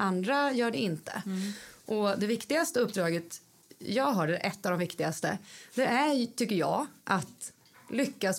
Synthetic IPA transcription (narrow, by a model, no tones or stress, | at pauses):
and̪ɾajœːɖɛɪnt̪ə̰ʔɔd̪ɛvɪkt̪ɪɡast̪əɵpːd̪ɾɑːɡət̪ | jɑːɡɦœːɖɛʔɛt̪ːavd̪ɔmvɪkt̪ɪɡast̪ə̰d̪̥ɛæt̪ʰʏkːəɾjɑ̰ːʔat̪ | lʏkːas